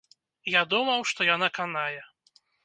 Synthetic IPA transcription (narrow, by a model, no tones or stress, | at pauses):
jad̪umɐwʂt̪ɔjanakanajɛ